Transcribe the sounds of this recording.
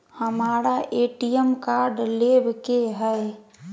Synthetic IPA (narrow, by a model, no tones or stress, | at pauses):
həmaːɾaʔeːʈijəmkaɾɖlebkeɦɛ